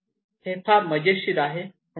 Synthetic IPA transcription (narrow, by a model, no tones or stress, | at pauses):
het̪ʰaɾməd͡ʑeɕiɾaɦe